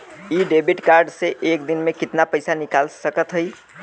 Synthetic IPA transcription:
iɖebʱiʈkaɾɖseʔekd̪inmekit̪napəjsanikalsəkət̪ɦəj

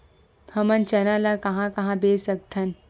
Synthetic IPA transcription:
hɐmɐnt͡ʃɐnalakɐɦãkɐɦãbeːsɐk̚t̪ʰɐn

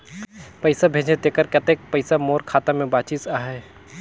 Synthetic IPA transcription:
pəɪsabʱeːd͡ʒed̪eːkəɾkət̪eːk̚pəɪsamoːɾkʰaːt̪ãmẽbaːt͡ʃit̪aːɦɛː

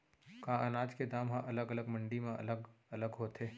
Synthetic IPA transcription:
kãːʔɐnaːd͡ʒked̪aːmɦãʔɐləɡɐləɡmɐ̃ɳɖimẽʔɐ̰ləɡɐləɡɦoːt̪eː

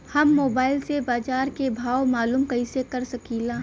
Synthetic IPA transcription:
hɐmːoːbaːɪlsebaːd͡ʒaːɾkebʱaːwmaːluːmkɐisekɐɾsɐkiːlaː

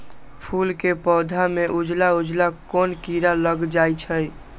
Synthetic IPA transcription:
pʰulkepɔd̪ʱameʔud͡ʒlaud͡ʒlakonkiɾaləɡd͡ʒajt͡ʃʰəj

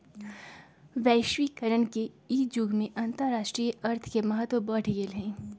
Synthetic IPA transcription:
ʋɛːʃʋikɐɾəɳke | iːd͡ʒʊɡmẽʔɐ̃nt̪əɾːaːʃʈɾiːʔɐɾt̪ʰkemɐɦət̪wəbɐʈʰiɡelɦɛ̃ː

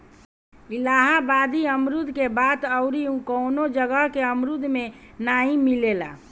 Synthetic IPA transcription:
ilaːɦabad̪iəmɾud̪ʱkebaːt̪əʊɾiũkəʊnod͡ʒəɡəɦkeəmɾud̪ʱmẽ | naːĩmilela̰ː

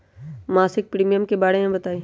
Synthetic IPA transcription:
maːsɪk̚pɾiːmijəmkebaːɽemẽbɐt̪aːiː

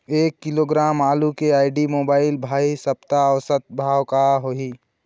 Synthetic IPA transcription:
eːkːɪloːɡɾaːmaːlukeaːɪɖimoːbaːɪlbʱaːisəp̚t̪aɔːsət̪̚bʱaːwkaɦoi

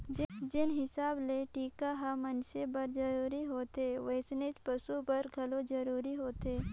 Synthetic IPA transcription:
d͡ʒd͡ʒɪnɦɪsaːbleʈiːkaɦamənʃebɐɾd͡ʒɐɾuːɾiɦoːt̪eʋɐɪsnet͡ʃpɐʃubɐɾɡʱɐlod͡ʒəɾuːɾiɦoːt̪eː

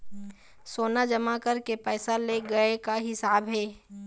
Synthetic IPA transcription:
soːnad͡ʒɐmakɐɾkepɛːsaleɡɐekaɦɪsaːbɦɛː

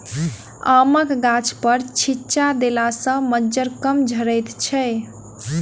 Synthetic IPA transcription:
aməkɡat͡ʃʰpəɾt͡ʃʰit͡ʃad̪elasə̃məd͡ʒəɾkəmd͡ʒʱəɾəjt̪t͡ʃʰɛ

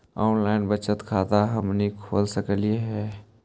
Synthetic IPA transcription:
ɔ̰ːnlaːɪnbət͡ʃət̪kʰaːt̪aɦɐmnikʰo̰ːlsəkəlieɦɛː

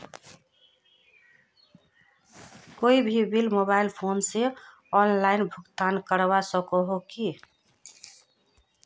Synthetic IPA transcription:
koibʱibilmobailpʰonse | ɔnlainbʱuɡt̪ankəɾβasəkɔɦoki

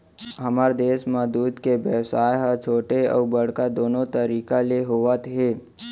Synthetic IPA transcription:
ɦəmaɾd̪eːsmãd̪uːd̪keʋjəʋsaːjɦət͡ʃʰoːʈeə̰bəɽ̤kad̪oːnot̪əɾiːkaleɦoʋət̪ɦe

